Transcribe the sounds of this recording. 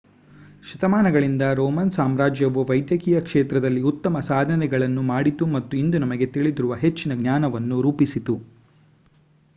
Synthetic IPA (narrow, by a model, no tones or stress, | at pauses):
ʃɐt̪ɐmaːnɐɡɐɭind̪ɐɾɔːmɐnsaːmɾaːd͡ʒjɐʋuʋɐjd̪jɐkiːjɐkʂeːt̪ɾɐd̪ɐlːiut̪ːɐmɐsaːd̪ʱɐnɛɡɐɭɐnːumaːɽit̪umɐt̪ːuind̪unɐmɐɡe̞t̪iɭid̪iɾuʋɐɦe̞t͡ʃːinɐɡnjaːnɐʋɐnːuɾuːpisit̪u